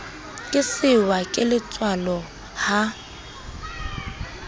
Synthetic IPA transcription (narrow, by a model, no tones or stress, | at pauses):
kʼɪsɪwakʼɪlɪt͡sʼwalɔ | ha